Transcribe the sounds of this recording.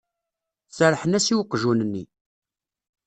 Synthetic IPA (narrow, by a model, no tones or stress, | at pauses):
səɾˤħənæsiwəqːʒunənːi